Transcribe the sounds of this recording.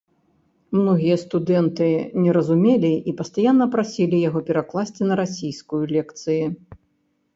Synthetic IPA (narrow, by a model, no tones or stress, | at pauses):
mnɔɣʲijɐst̪ud̪ɛnt̪ɨnʲɛɾɐzumʲelʲiipɐst̪ajanːɐpɾasʲilʲijaɣɔpʲɛɾaklˠasʲt͡sʲinɐɾasʲijskujulʲɛkt̪sɨji